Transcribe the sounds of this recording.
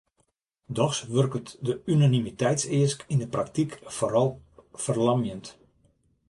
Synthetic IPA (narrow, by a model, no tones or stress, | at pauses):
dɔxsʋørkətdəynanimitɛjtsɪəskindəprak̚tikfoɾɑlˠfərlɑmjənt